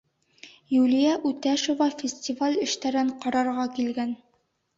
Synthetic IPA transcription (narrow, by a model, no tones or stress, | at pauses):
julʲijæʔʉt̪æʃŏvɑfʲɪsʲtʲivalʲɘ̆ʃt̪æɾɘɴqɒɾɑɾʁɑkilɡæn